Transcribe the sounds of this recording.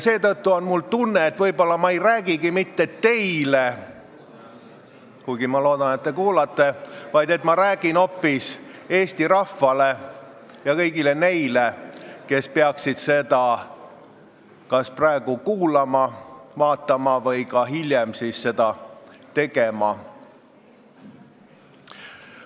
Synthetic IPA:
jse̞ːt̪ɤt̪ːuonmult̪unːeːt̪vɤjbo̞lːɑmɑe̞jræːɡiɡimit̪ːet̪ːe̞jle | kujɡ̥imɑlo̞ːd̪̥ɑnet̪̚ːekuːlɑt̪ːˑe̞vɑjd̪e̞t̪ˑmɑɾæːɡ̥ino̞pːis | e̞ːsʲt̪iɾɑfːɑle̞ | jɑkɤjɡile̞ne̞jleke̞speɑksid̪̥se̞d̪̥ɑ | kɑsprɑeɡ̥ukuːlɑmɑvɑːt̪ˑːɑmɑvɤ̞jkɑɦilʲjemsisse̞d̪̥ɑt̪e̞ɡ̥e̞mɑ

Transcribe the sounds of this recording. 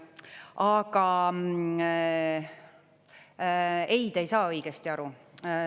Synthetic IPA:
ɑɡ̥ɑ | e̞jd̪̥e̞jsɑːɤjɡ̥est̪iɑɾu

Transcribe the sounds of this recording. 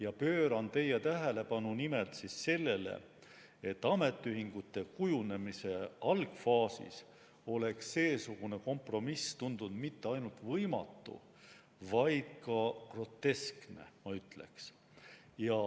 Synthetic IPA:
jɑpø̞ːɾɑnt̪e̞jet̪æɦele̞pɑnunimelt̪sisːe̞lːe̞le̞̰ | et̪ːɑme̞t̪ːˑyɦiŋɡ̥ut̪ːˑe̞kujune̞mise̞ɑlɡ̥fɑːsḭs | o̞le̞ksːe̞ːsuɡ̥une̞ko̞mpro̞mist̪und̪ud̪̥mit̪ːeɑjnult̪vɤjmɑ̰t̪ːṵ | vɑjd̪̥̚kɑkro̞t̪ːe̞skne̞̰mɑyt̪ˑle̞̰ks | jɑ

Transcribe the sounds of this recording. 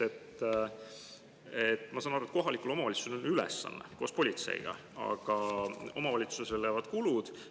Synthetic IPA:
et̪ː | et̪ːˑmɑsɑːnɑɾuet̪ko̞ɦɑlikulo̞mɑvɑlʲit̪su̥sneonylḛsːɑ̰nːḛko̞ːspo̞lʲit̪sḛjɡ̥ɑ̰ | ɑ̰ɡ̥ɑo̞̰mɑvɑlʲit̪suseljæːvɑd̪̥kulud̪̥

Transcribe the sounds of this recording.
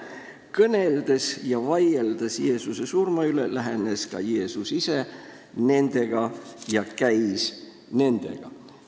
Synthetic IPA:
kɤne̞ld̪̥esjɑvɑjeld̪ɑsje̞ːsuse̞surmɑylelæɦeneskɑ̰je̞ːsusise | ne̞nd̪e̞ɡ̥ɑjɑkæjs | ne̞nd̪̥e̞̰ɡ̥ɑ

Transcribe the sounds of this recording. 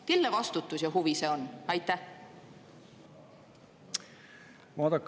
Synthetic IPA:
kelːevɑst̪ut̪ːˑusjɑɦuvise̞o̞nɑjt̪ːˑæh | vɑːd̪ɑkː

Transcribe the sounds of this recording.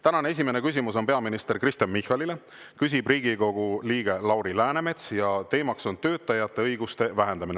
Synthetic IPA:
t̪ænɑnee̞s̬ʲime̞ne̞kys̬ʲimuso̞npe̞ɑminist̪e̞ɾkrist̪jɑnmihɑlile̞ | kys̬ʲib̥riːɡ̥iko̞ɡ̥uliːɡ̥e̞lɑwɾilæːneme̞t̪sjɑt̪e̞ːmɑkso̞nt̪ø̞ːt̪ːˑɑjɑt̪ːˑe̞ɤjɡust̪e̞væɦe̞nd̪ɑmine

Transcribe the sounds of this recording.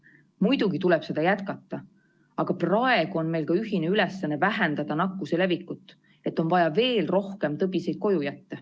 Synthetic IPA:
mujd̪̥uɡ̥it̪ulɛb̥se̞d̪ɑjæt̪kɑt̪ːɑ | ɑɡ̥ɑprɑe̞ɡ̥uo̞nme̞jlkɑyɦineylesːɑnːevæɦend̪ɑd̪̥ɑnɑkːˑuse̞le̞vikːˑut̪ːˑ | e̞t̪ːˑo̞nvɑjɑve̞ːlro̞hke̞mt̪ɤbise̞jd̪̚ko̞jujæt̪ːe

